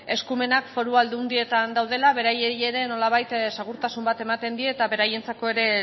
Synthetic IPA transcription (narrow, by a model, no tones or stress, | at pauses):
e̞skume̞nakfo̞ɾuald̪und̪ie̞t̪and̪awð̞e̞laβe̞ɾajeie̞ɾe̞no̞laβ̞ajt̪seɣ̞uɾt̪asumbat̪e̞mat̪e̞nd̪iet̪aβe̞ɾaje̞nt͡sako̞e̞ɾe̞